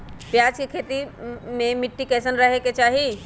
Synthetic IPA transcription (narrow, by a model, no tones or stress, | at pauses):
pjad͡ʒkekʰet̪imemiʈːikɛsənɾəɦeket͡ʃaɦi